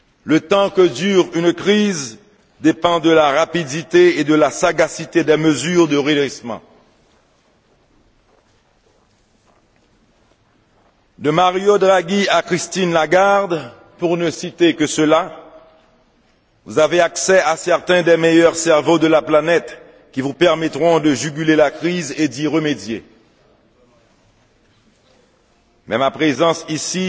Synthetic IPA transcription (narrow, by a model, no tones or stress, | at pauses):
lət̪ɑ̃kəd̪yʁynkχiz | d̪epɑ̃d̪əlaʁapid̪it̪eed̪əlasaɡasit̪ed̪ɛməzyːʁd̪əʁiʁismɑ̰̃ | d̪əmaʁjod̪ʁaɡiakχist̪inlaɡaʁd̪ | puʁnəsit̪ekəsəla | vuzaveaksɛasɛʁt̪ɛ̃d̪ɛmejœʁsɛʁvod̪əlaplanɛt̪ | kʲivupɛʁmɛt̪χɔ̃d̪əʒyɡʲylelakχized̪iʁəmed̪je | mɛmapχezɑ̃sisi